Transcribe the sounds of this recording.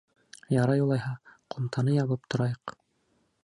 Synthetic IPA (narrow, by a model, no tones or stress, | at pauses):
jɑɾɑjulˠɑjhɑqomt̪ʰɑnɤjɑβɤp̚t̪ŏɾɑjɤq